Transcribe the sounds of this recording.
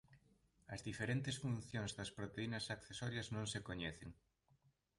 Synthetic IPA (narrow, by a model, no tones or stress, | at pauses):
ɐzðifeɾent̪ɪsfũn̟θjoŋzðɐspɾot̪einɐsakθesɔɾjɐznõŋsekoɲɛθeŋ